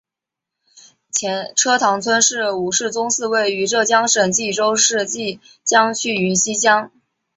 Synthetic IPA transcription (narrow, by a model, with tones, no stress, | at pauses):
t͡ɕʰjɛ˧˥nʈ͡ʂʰɤ˥t̪ʰɑ˧˥ŋt͡sʰwə˥nʂɻ̩˥˩u˨˩ʂɻ̩˥˩t͡sʊ˥ŋsɹ̩˥˧we˥˩ɪy˧˥ʈ͡ʂɤ˥˩t͡ɕjɑ˥ŋʂə˨˩nt͡ɕi˥˩ʈ͡ʂo˥ʊʂɻ̩˥˧t͡ɕi˥˩ | t͡ɕjɑ˥ŋt͡ɕʰy˥˩y˧˥nɕi˥t͡ɕjɑ˥ŋ